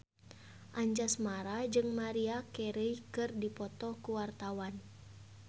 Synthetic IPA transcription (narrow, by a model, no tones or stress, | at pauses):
ʔaɲd͡ʒasmaɾad͡ʒɨŋmaɾiakɛɾəjkɨrdipɔt̪ɔkuwart̪awan